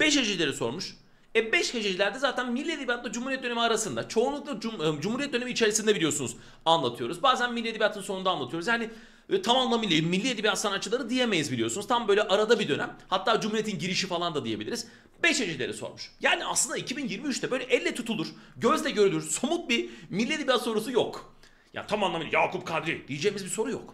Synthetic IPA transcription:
b̥ɛʃhed͡ʒilʲe̞ɾiso̞̰ɾmuʃ | ɛbɛʃhed͡ʒed͡ʒilʲæɾd̪ɛzaːt̪ʰænmilʲːied̪ibijat̪lˠad͡ʒumuɾijɛt̪̚d̪ø̞nemiaɾasɯnd̪at͡ʃʰo̞ːnlˠuklˠad͡ʒd͡ʒumhuɾijɛt̪̚d̪øneiːt͡ʃʰe̞ɾisind̪ɛbilʲijo̞sunuz | anlˠat̪ʰɯjo̞ɾuzbaːzænmilʲːied̪ʲibijat̪ʰɯnso̞nund̪anlˠat̪ɯjo̞ɾuzjaːnɪ | t̪ʰamamlˠamilʲejimmːilʲːied̪ʲibijat̪sanat̪̚t͡ʃːɯlˠaɾɯd̪ijemejizbilʲijo̞sunuzt̪ʰambø̞jlʲɛʔaɾad̪abid̪ø̞nʔæ̰mhat̪ʰːaːd͡ʒumhuɾiet̪ʰinɟiɾiʃifalˠand̪ad̪ije̞bilʲiɾiz | bɛʃed͡ʒilʲeɾiso̰ɾmuʃjaːnia̰slˠɯnd̪aicʰibinjiɾmiyt͡ʃt̪ʰɛbø̞jlʲɛʔɛlʲːet̪ʰut̪ʰulˠuɾ̥ɟøzld̪ʲɛɟøɾylʲyɾsomut̪̚bimilʲːied̪ʲibijat̪so̞ɾus̬ujok | ja̰ːnit̪ʰamanlˠamilʲjaːkʰup̚kʰad̪ɾid̪̥ijid͡ʒejmizbiso̞ɾujo̰k

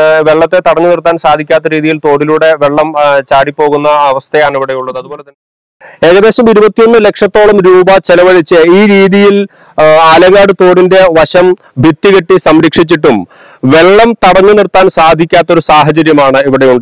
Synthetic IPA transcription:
ʋe̞ɭːɐt̪ːe̞t̪ɐɽɐɲːunirt̪ːaːnsaːd̪ʱikʲːaːt̪̬ːɐɾiːðijilt̪o̞ːɽiluːɽe̞ʋe̞ɭːɐmt͡ɕaːɽipːo̞ːɣunːɐɐʋɐst̪ʰɐjaːɳiʋiɽejuɭːɐðɨɐðuboːlet̪ɐn | e̞ːɣɐðe̞ːɕɐmiɾubɐt̪ːijo̞nːɨle̞kʂɐt̪ːo̞ːɭɐmɾuːbɐt͡ɕelɐʋɐlit͡ɕːɨiːɾiːðijil | aːlɐɣaːɽɨt̪o̞ːɽinde̞ʋɐɕɐm | bʱit̪ːiɣɐʈːisɐmɾikʂit͡ɕːiʈːum | ʋe̞ɭːɐmt̪ɐɽɐɲːunirt̪ːaːnsaːd̪ʱikʲːaːt̪ːo̞ɾusaːɦɐt͡ɕɐɾjɐmaːɳɨiʋiɽe̞juɳɖɨ

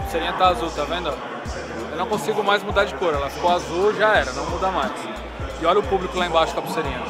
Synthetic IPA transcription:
seɾĩɲɐt̪aːzut̪avẽd̪ɐ | ewnɐ̃w̃kõsiɡʊmajzmud̪aɾd͡ʒɪkoɾɛlɐfi̥koazuwʒaɛɾɐnɐ̃w̃mud̪amajs | ɪɔʎɐʊpublikʊlaẽbaʃʊ̥kapɾʊseɾĩɲɐ

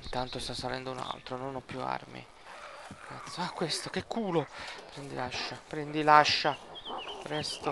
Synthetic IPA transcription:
int̪ant̪ost̪asːalɛnd̪ouna̰lt̪ɾononɔpːjua̰rmḭ | kʰat̪sːoakːwest̪ok̟ekʰːuːlopɾɛnd̪ḭlaʃːapɾɛnd̪ilaʃːapɾɛst̪o

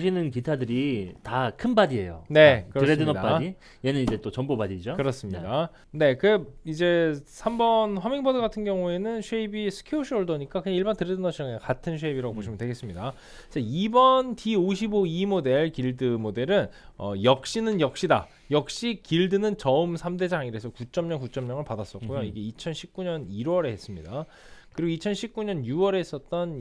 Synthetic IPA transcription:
ɕʰinɯnkitʰadɯɾitakʰɯnbadie̞̰jo̰ne̞kɯɾʌɾedɯnʌdap͈ai | jenɯnid͡ʑe̞t͈ot͡ɕʌmbobadid͡ʑokɯɾʌs͈ɯmɲida | ne̞kɯid͡ʑe̞sʰambʌnɸwʌmiŋbʌdɯɡatʰɯnɡjʌŋue̞nɯnɕʰweibisʰɯ̥kʰeoɕʰioɭdoɲik͈akɯɲaiɭbantɯɾedɯnʌɕʰiʌŋekatʰɯnɕʰeibiɾaɡopoɕʰimɯndwe̞ɡe̞s͈ɯmɲida | d͡ʑeibʌntioɕʰiboimode̞ɭkiɭdɯmode̞ɾɯnʌ̰jʌk̚ɕ͈inɯnjʌk̚ɕ͈ida̰ | jʌk̚ɕ͈ikiɭdɯnɯnt͡ɕʌɯmsʰamde̞d͡ʑaŋiɾesʰʌkut͡ɕ͈ʌmɲʌŋkut͡ɕ͈ʌmɲʌŋɯɭpadas͈ʌk͈̚ojoiɡe̞it͡ɕʰʌnɕʰip̚k͈uɲʌniɾwʌɾe̞ɦes͈ɯmɲida | kɯɾiɡoit͡ɕʰʌnɕʰip̚k͈uɲʌnjuwʌɾe̞ːs͈ʌt̚t͈ʌn

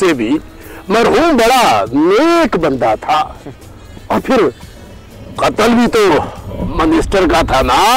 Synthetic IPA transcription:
sebʱi | mɐɾɦuːmbɐɽaneːkbɐ̃nd̪at̪ʰa | ɔːɾpʰɪɾ | qɐt̪əlbʱit̪omənɪsʈəɾkat̪ʰanaː

